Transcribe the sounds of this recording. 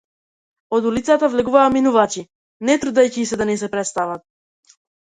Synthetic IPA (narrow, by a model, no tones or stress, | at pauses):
ɔd̪ulit̪sat̪avlɛɡuvaːminuvat͡ʃi | nɛt̪ɾud̪ajcisɛd̪anɛsɛpɾɛt̪st̪avat̪̚